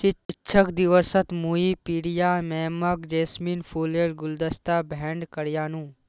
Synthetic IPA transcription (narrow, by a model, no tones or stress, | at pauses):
ʃɪɪtːʃʰəkd̪ɪʋəsət̪muipiɽijaːmɛːməkd͡ʒeːsmiːnpʰuːleːɽɡʊld̪əst̪aːbʱɛ̃ːɳɖkɐɾjaːnũː